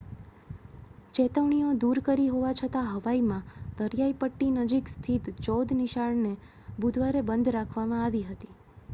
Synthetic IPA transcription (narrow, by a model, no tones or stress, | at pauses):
t͡ʃɛt̪əʋɳiod̪uɾkəɾiɦoʋat͡ʃʰət̪aɦəʋaimãd̪̥əɾjaipəʈːinəd͡ʒikst̪ʰit̪t͡ʃɔd̪niʃaɭne | bud̪ʱʋaɾebənd̪ʱɾakʰʋamãaʋiɦət̪i